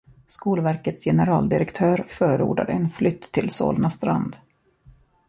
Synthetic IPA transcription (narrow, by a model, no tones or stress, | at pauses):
skuːlvæɾkət̪sjɛnəɾɑːld̪ɪɾɛkt̪ʰœːɾfœːɾəṵːɖa̰d̪əɛnflʏt̪ʰːɪlso̰ːlnast̪ɾa̰nd̪